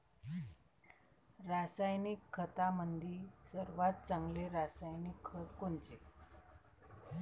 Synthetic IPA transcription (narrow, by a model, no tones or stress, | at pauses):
ɾasajnikʰːət̪amənd̪ʱiːsəɾʋat̪̚t͡saŋɡleɾasajnikʰːəkoɳt͡se